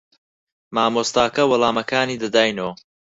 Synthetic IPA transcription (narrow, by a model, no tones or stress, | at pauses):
maːmoːst̪aːkɐwɐlˠaːmɐkaːniːd̪ɐd̪aːjnoː